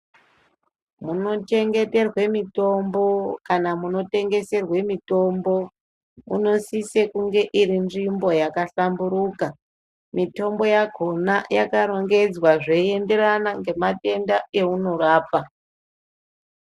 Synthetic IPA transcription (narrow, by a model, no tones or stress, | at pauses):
muno̞t͡ʃe̞ŋɡe̞te̞rwe̞mito̞mbo̞kanamuno̞te̞ŋɡe̞se̞rwe̞mito̞mbo̞ | mṵno̞sisekuŋɡe̞ʔirinʐimbo̞jakaɬambuɾuːka | mito̞mbo̞jaɡʱo̞najakaɾo̞ŋɡe̞d͡zwaʐe̞ie̞nde̞ɾanaŋɡe̞mate̞ndae̞uno̞ɾaːpa